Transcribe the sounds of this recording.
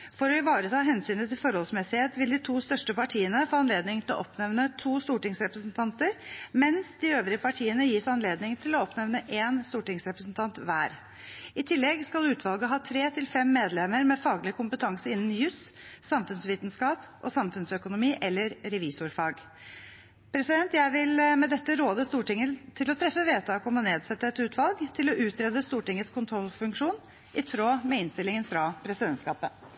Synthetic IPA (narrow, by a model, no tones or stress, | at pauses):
fɔɾɔɪʋɑːɾət̪ʰɑːɦɛnsyːnət̪ɪlfɔɾhɔlsmɛsɪheːt̪ʋɪld̪ɪt̪ʰuːst̪œʂʈəpɑʈʰiːənəfoːɑnleːd̪nɪŋt̪ɪlɔ̰ʔɔpnɛʋnət̪ʰuːst̪uːʈɪŋsɾɛpɾəsnt̪ʰɑnt̪əɾmɛnsd̪ɪøːʋɾɪəpʰɑʈʰiːənəjiːsɑnleːd̪nɪŋt̪ʰɪlɔɔpnɛʋnəʔeːnst̪uːʈɪŋsɾɛpɾəsnt̪ʰɑnt̪ʋæːɾ | ɪt̪ʰɪlːɛɡskɑlʉːt̪ʰʋɑlˠɡəɦɑːt̪ʰɾeːt̪ʰɪlfɛmːeːd̪lɛməɾmɛfɑːɡlɪkʰʊmpət̪ʰɑŋsəɪnːən̩jʉssɑmfʉnsʋiːt̪nskɑːpʔɔsɑmfʉnsœkʊnʊmiːʔɛlːəɾɾɛʋiːsʊɾfɑːɡ | pʰɾɛsɪd̪ɛnt̪jæɪʋɪlmɛd̪ɛt̪ːəɾoːd̪əst̪uːʈɪŋːət̪ʰɪlɔt̪ʰɾɛfːəʋeːt̪ʰɑːkɔmɔneːd̪sɛt̪ːəɛt̪ʉːt̪ʰʋɑlɡt̪ʰɪlɔʔʉːt̪ʰɾɛːd̪əst̪uːʈɪŋːət̪skʰʊnt̪ʰɾɔlːfʉŋkʂuːn | ʔɪt̪ʰɾoːmɛɪnst̪ɪlɪŋənfɾɑpʰɾɛsɪd̪ɛnt̪skɑːpə